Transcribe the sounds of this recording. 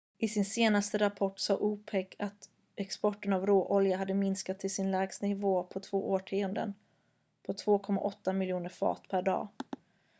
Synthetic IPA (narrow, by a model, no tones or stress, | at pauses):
ʔɪsɪnseːnast̪əɾapʰɔʈːsɑːʔuːpʰɛkːat̪ | ɛkspɔʈːənavɾoːʔɔljaɦad̪ːəmɪnskat̪ʰːɪlsɪnlɛːɡst̪nɪvoːpʰɔt̪ʰv̥oːʔoːʈʰiːənd̪ə̰n | pʰɔt̪ʰv̥oːkʰɔmːa̰ʔɔt̪ːamɪljuːnəɾfɑ̰ːt̪pʰæɖɑ̰ː